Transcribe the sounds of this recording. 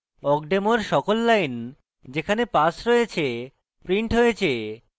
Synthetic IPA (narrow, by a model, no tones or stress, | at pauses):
ɔkɖemoɾʃɔkolːajn | d͡ʑekʰanepasɾɔjet͡ɕʰe | pɾiɳʈɦojet͡ɕʰe